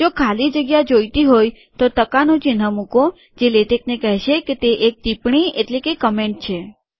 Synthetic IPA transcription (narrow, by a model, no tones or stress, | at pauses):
d͡ʒokʰalid͡ʒəɡjad͡ʒojt̪iɦoj | t̪ot̪əkanũt͡ʃenəmukõ | d͡ʒeleʈeknekəɦʃeket̪eʔek̚t̪ipɳ̃ieʈlekekəmeɳʈ̚t͡ʃʰe